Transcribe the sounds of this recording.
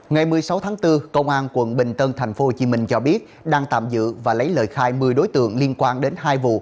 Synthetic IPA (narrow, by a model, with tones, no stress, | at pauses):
ŋa˨˩jmɨ˨˩əjsa˨˦wt̪ʰaː˨˦ŋt̪ɨ˧kə˧wŋ͡mʔaː˧nkwə̰˧˩˨nɓï˨˩ŋ̟t̪əː˧nt̪ʰa˨˩jŋ̟fo˨˦ho˨˩t͡ɕi˨˦mï˧˩ŋ̟t͡ɕɔ˧ɓi˦˥ət̚ɗaː˧ŋt̪a̰ː˧˨mzɨ̰˧˨vaː˨˩lə˨˦jləː˨˩jxaː˧jmɨ˨˩əjɗo˨˦jt̪ɨ̰˧˨əŋli˧ənkwaː˧nɗe˨˦nɦaː˧jvṵ˧˨